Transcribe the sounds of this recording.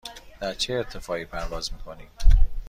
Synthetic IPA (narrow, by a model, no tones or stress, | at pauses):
d̪̥æɾt͡ʃʰeːt̪ʰːefɒːipʰæɾd̪ɒːzmiːkʰoni